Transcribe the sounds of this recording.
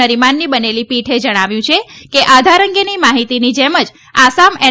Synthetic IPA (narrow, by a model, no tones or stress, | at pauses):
əɾimanːibənelipiʈʰed͡ʒəɽ̃aʋjũt͡ʃʰekeʔad̪ʱaɾəŋɡenimaɦit̪inid͡ʒeməd͡ʒ | asamɛ